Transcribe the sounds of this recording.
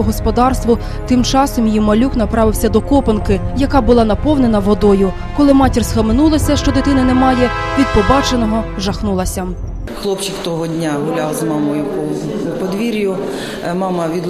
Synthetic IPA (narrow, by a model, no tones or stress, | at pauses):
ɔɦɔspɔd̪ɑrst̪ʋʊ | t̪ɪmt͡ʃɑsɔmjimɐlʲuknɐpɾɑʋɪwsʲɐd̪ɔkɔpɐnkɪjɐkɑbʊlˠɑnɐpɔwnenɐʋɔd̪ɔjʊ | kɔlˠɪmɑtʲirsxɐmɪnulˠɐsʲɐʃt͡ʃɔd̪et̪ɪnɐnɛmɑjɛ | ʋʲid̪̚pɔbɑt͡ʃenɔɦɔ | ʒɐxnulˠɐsʲɐ | xlˠɔpt͡ʃɪkt̪ɔɦɔdʲnʲaɦʊlʲawzmɑmɔjʊpɔ | pɔd̪ʋʲiɾʲjʊ | mɑmɐʋʲid̪